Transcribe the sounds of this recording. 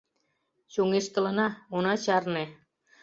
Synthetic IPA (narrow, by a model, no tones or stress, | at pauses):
ɕoŋeʃt̪ə̆lə̆nɑunɑt͡ɕɑrne